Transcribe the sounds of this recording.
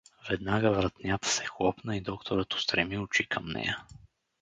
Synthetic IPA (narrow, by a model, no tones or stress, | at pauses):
vɛd̪naɡəvɾət̪nʲat̪ə̥sɛxlˠɔpnəid̪ɔkt̪oɾət̪ʊ̥st̪ɾɛmiʊt͡ʃikʰəmnɛ̰jə